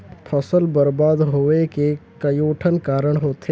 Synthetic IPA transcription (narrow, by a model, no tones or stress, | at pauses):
pʰəsəlbəɾbaːd̪ɦoːekekəjoːʈʰənkaːɾəɽ̃ɦoːt̪